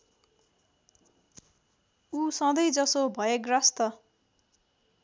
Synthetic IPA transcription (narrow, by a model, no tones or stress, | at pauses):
usʌ̃d̪ʌjd͡zʌsobʱʌjekrʌst̪ʌ